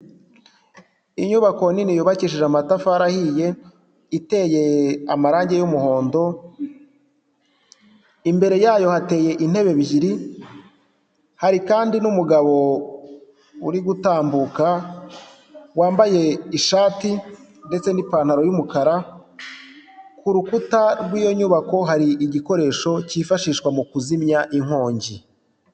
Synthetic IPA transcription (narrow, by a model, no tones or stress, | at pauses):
iɲuβako̞ninijuβaciʃiʒamatafaaɾahije̞ | ite̞ːje̞amaɾaːɲɟe̞jumuho̞ːndo̞ | imbe̞ɾe̞jaːjo̞hate̞ːje̞ʔin̥he̞βe̞βiɟiɾi | haɾikaːndinumuɡaβo̞ | ṵɾiɡutaːmbuka | waːmbaje̞iʃaːtinde̞t͡se̞nipaːn̥haɾo̞jumukaɾa | kuɾukutaɾɡwiːjo̞ɲuːβako̞ɦaɾiʔiɟiko̞ɾe̞ːʃo̞ciːfaʃiːʃkwamukuzimɲaʔiŋ̥o̞ːɲɟi